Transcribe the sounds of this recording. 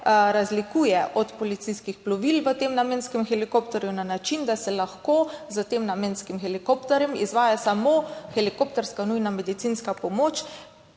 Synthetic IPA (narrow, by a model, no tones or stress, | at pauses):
ɾazlikuːjɛʔɔt̪pɔlit̪siskixplɔʋilʋət̪eːmnameːnskɛmxɛlikopt̪ɔɾjunanat͡ʃind̪asɛlaxkozət̪emnamenskimxɛlikopt̪ɛɾjɛmḭzʋaːjasamoxɛlikopt̪ɛɾskanujnamɛd̪it̪sinskapɔmoːt͡ʃ